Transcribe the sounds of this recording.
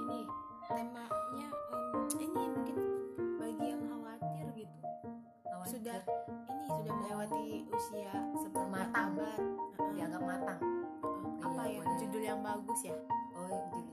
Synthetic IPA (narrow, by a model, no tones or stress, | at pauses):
ini | t̪amaɲaəminimuŋkɪnbaɡiaŋhawat̪ɪrɡit̪u | hawasudahinisudahməlawand̪iusiasəbamat̪aŋbajaɡaʔmat̪aŋ | apajad͡ʒudʊljaŋbaɡʊsjaojut̪uk